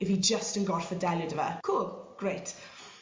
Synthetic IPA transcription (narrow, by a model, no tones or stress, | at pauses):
ɪfjid͡ʒəstə̃nɡɔɹfədɛlˠjədəvə̰kʰulˠɡ̥ɹeɪt